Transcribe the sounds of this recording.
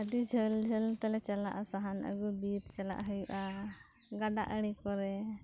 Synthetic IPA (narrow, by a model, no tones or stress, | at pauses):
əɖid͡ʒʱəld͡ʒʱəlt̪alɛt͡ʃalaʔasaɦanʔə̰ɡubiɾt͡ʃala̰ʔɦəjuʔa | ɡaɖa̰ʔəɽ̃ikɔɾɛ